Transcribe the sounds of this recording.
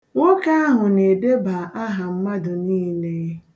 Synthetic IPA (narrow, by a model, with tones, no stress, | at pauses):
ŋo˦ka˦a˦ɦʊ˨ne˨de˦ba˨ʔa˦ɦa˨m̩˦ma˦dʊ˨niː˦ne˦